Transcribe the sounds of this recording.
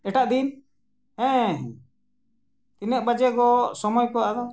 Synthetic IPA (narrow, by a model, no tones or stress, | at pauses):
ɛʈaʔd̪in | ɛ̃ɦɛ̃ | t̪inɛk̚bad͡ʒɛkɔsɔmɔjkɔwad̪ɔ